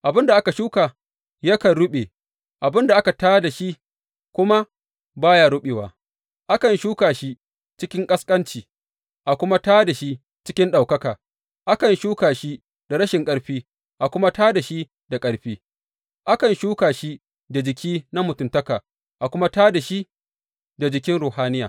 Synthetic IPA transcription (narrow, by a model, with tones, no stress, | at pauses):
ʔa˨bɪ˦nda˨ʔa˦ka˨ʃuː˦kaː˨ | ja˦kɐ˨nɽʊ˦ɓeː˨ | ʔa˨bɪ˦nda˨ʔa˦ka˨taː˦da˨ʃi˦ | kʷʊ˦ma˦ | baː˦ja˦ɽʊ˦ɓeː˨waː˨ | ʔa˦kɐ˨nʃuː˦kaː˨ʃi˦ | t͡ʃɪ˦kʲɪ˦ŋkʼɐ˦skʼɐ˦nt͡ʃiː˨ | ʔa˨kʷʊ˦ma˦taː˦da˨ʃi˦ | t͡ʃɪ˦kʲɪ˦nɗa˨wkɐ˦kaː˨ | ʔa˦kɐ˨nʃuː˦kaː˨ʃi˦ | da˨ɾɐ˦ʃɪ˨ŋkʼɐ˦ɽɸiː˦ | ʔa˨kʷʊ˦ma˦taː˦da˨ʃi˦ | da˨kʼɐ˦ɽɸiː˦ | ʔa˦kɐ˨nʃuː˦kaː˨ʃi˦ | da˨d͡ʒɪ˨kʲʰiː˦na˦mʊ˨tʊ˨ntɐ˦kaː˨ | ʔa˨kʷʊ˦ma˦taː˦da˨ʃi˦ | da˨d͡ʒɪ˨kʲɪ˦nɽoː˨haː˦nɪ˦ja̰ː˨